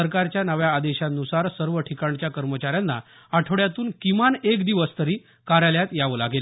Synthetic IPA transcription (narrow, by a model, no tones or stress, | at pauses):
əɾkaɾt͡ɕjanəʋjaːd̪eɕanusaɾsəɾʋəʈʰikaɳt͡ɕjakəɾmət͡ɕaɾjanːa̰ | aʈʰəɽjat̪uːnkimanekd̪iʋəst̪əɾiː | kaɾjaljat̪jaʋla̰ɡel